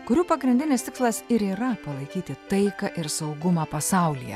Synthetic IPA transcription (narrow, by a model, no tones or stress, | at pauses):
kʊɾʲuːpɐɡɾʲɪnʲd̪ʲɪnʲɪst̪ʲɪkslˠɐsɪɾiːɾɐpɐlˠɐɪkʲiːt̪ʲɪt̪ɐɪkɐʔɪɾsɐʊɡʊmɑːpɐsɑˑʊlʲijɛ̰